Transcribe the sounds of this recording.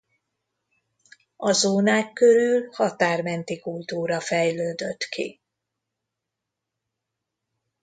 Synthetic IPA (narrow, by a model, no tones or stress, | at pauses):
ɒzoːnaːkːø̞ɾylhɒt̪aːrmɛnt̪ikult̪uːɾɒfɛjløːd̪øt̪kʰḭ